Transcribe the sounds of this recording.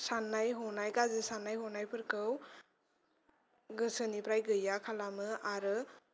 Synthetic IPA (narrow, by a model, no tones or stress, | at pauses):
sanːajɦɔnajɡazɯsanːajɦɔnajpʰɯɾkɯw | ɡɯsɯnipɾajɡɯjakʰalamɯaɾɯ